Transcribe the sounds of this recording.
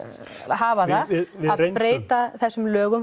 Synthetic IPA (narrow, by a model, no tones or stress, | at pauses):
ɦaːvaðaɪɪaðejpɾeːjt̪aθɛsːʏmlœːɣʏm